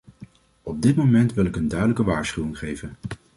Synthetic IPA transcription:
ɔb̚dɪtmomɛntʋɪlɪkəndœɥdələkəʋaːɹsχywɪŋχejvən

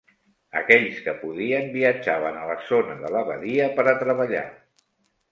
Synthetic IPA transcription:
ə̰kɛʎskəpuðiəmbiəd͡ʒaβ̞ənələzonəðələβə̰ðiəpəɾət̪ɾəβ̞əʎa̰

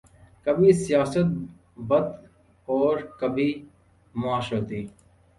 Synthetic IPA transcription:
kəbʱiːsɪjaːsət̪̚ | bəd̪ | ɔːɾkəbʱiː | mʊaːʃoːt̪iː

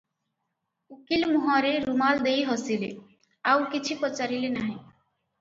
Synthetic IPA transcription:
ukilmuɦaɾeɾumald̪ejɦɔsile | awkit͡ʃʰipɔt͡ʃaɾilenaɦĩ

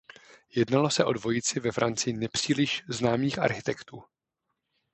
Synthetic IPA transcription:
jɛdnalo̞sɛʔo̞dvo̞jɪt͡sɪvɛfɾʔant͡sɪɪnɛpr̝̥iːlɪʃznaːmiːxʔa̰ɾxɪt̪ɛkt̪uː

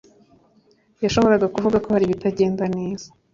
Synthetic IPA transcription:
jaʃo̞βo̞ɾaɡakuvuɡako̞haɾiβitaɟe̞ːndaneːz̥ḁ

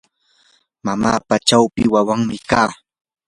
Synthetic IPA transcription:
mamaːpat͡ʃawpɪwawaŋmɪkaː

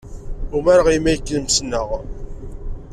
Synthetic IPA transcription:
umæɾəʁimæjkːnəmsnəʁ

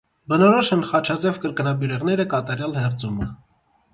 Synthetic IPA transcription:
bənɔɾɔʃənχɑt͡ʃʰɑt͡sɛvkəɾkənɑbjuɾɛʁnɛɾəkɑt̪ɑɾjɑlhɛrt͡sumə

